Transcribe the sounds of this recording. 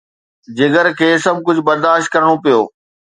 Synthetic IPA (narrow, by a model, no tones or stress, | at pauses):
d͡ʑɪɡəɾkʰeːsɐb̚kʊd͡ʑʱʊbɐɾd̪aːʃt̪̚kɐɾɽ̃opijoː